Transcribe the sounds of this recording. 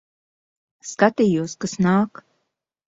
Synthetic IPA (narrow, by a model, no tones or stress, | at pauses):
skat̪ijuːskasnaːk